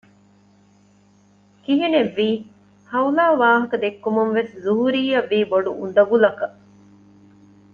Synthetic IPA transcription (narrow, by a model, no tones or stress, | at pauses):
kiɦineʋːiː | hɐulaːʋaːɦɐkɐd̪ekːumunʋeszuɦuɾiːɐʋːiːboɖuund̪ɐɡulɐkɐ